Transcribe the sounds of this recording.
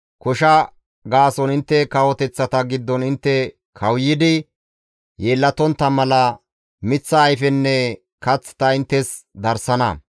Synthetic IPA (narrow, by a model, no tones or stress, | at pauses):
kɔʃɐ | ɡaːsɔnɪnt̪ːɛkɐwɔt̪ɛt͡sːɐt̪ɐɡɪd̪ːɔnɪnt̪ːɛ | kʰɐwjːɪd̪ɪ | jeːlːɐt̪ɔnt̪ːɐmɐlɐ | mɪt͡sːɐːjfɛnːɛ | kɐt͡sːɪ̥t̪ɐɪnt̪ːɛs | d̪ɐɾsɐnɐ̰